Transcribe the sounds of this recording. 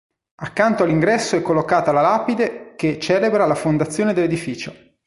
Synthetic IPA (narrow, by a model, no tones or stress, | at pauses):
akːant̪oalːiŋɡɾɛsːoɛkːolːokaːt̪alalaːpid̪eket͡ʃɛːlebɾalafond̪at̪sːjoːned̪elːed̪ifiːt͡ʃo